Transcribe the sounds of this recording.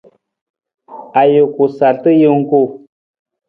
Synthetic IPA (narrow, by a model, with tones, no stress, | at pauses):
a˨jo˨ku˨sa˨lt̪ə˦jə˦ŋ˦ku˦˨